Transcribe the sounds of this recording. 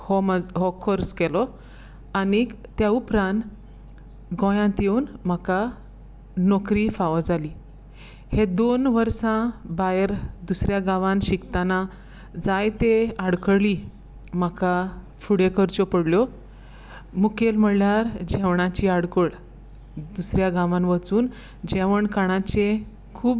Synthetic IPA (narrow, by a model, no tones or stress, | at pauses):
hɔmaɦɔkʰɔɾskɛlɔ | anit̪jaupɾãn | ɡɔ̃jãt̪jeuːnm̤aka | nɔkɾifaʋd͡zaliː | hed̪onʋəɾsãbajəɾd̪usɾjaɡaʋãnɕikt̪ana | d͡zajt̪eaɽkəɽliː | maka | fuɽekəɾt͡ɕopəɽljɔ | mukelm̤əɽljaɾd͡ʑeʋɳat͡ɕiːaɽkəɽ | d̪usɾjaɡãʋãnʋət͡suːn | d͡ʑeʋəɳkaɽ̃at͡ɕe | kʰuːb